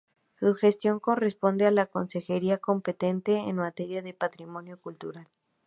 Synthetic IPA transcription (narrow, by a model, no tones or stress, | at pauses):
suxe̞st̪jo̞ŋko̞re̞spo̞nd̪ealako̞nse̞xe̞ɾiako̞mpe̞t̪e̞nt̪e̞̰ːnmat̪e̞ɾjaðe̞pat̪ɾimõ̞njo̞kult̪uɾal